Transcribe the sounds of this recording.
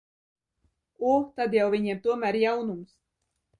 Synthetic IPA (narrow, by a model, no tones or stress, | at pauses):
ut̪ad̪jawvʲiɲɛmt̪uɔmæɾjawnums